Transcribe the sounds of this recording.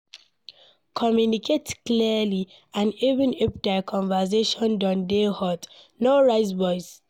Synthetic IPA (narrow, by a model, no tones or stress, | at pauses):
kʰɔmjunikʰetkliəli | ãnivə̃nep̚dakʰɔ̃nvəseʃɔ̃ndɔ̃ndehɔt | nɔɹaɪs̬bɔjz